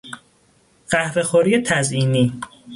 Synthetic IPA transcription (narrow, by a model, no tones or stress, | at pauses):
ɢ̥æhvexoɾiːet̪ʰæziːniː